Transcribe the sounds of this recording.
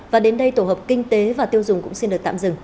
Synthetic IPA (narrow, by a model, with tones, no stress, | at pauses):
vaː˨˩ɗe˨˦nɗə˧jt̪o˧˩həː˨˩p̚kï˧ŋ̟t̪e˨˦vaː˨˩t̪i˧əwzʊ˨˩ŋ͡mkʊ̰˧˥ŋ͡msi˧nɗɨ˨˩ək̚t̪a̰˧˨mzɨ̰˧˩˨ŋ